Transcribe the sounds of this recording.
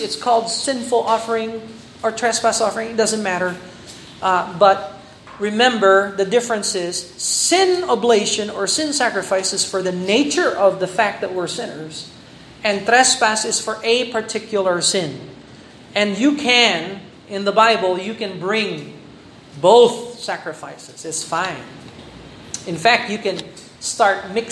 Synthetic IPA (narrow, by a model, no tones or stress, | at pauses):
ɨtskʰɔlˠdsɪ̃nfl̩ˠɔfə˞ɪ̃ŋ | ə˞tʰɹ̥ɛspæsɔfə˞ɪ̃ŋd̥ʌzɨ̃nmæɾə˞ | bʌt̚ | ɹɨmɛ̃mbə˞ðɨdɪfɹɨ̃nsɪz̥sɪ̃nobleɪʃɨ̃nə˞sɪ̃nsækɹɨfaɪsɨz̥fə˞ðɨneɪt͡ʃə˞ʔʌvðɨfæk̪̚ðɨt̚wɪɹsɪ̃nə˞z | ɨ̃nθɹɛspæsɨz̥fə˞ʔepʰə˞tʰɪkʰjl̩ˠə˞sɪ̃n | ɨ̃njɨkʰɨ̃n | ɪ̃nðəbaɪbəl̩ˠjɨkɨ̃nbɹɪ̃ŋ | boʊθsækɹɨfaɪsɨz̥ɪtsfãɪ̃n | ɨ̃nfæk̚tjɨkɨ̃n | stɑɹt̚mɪk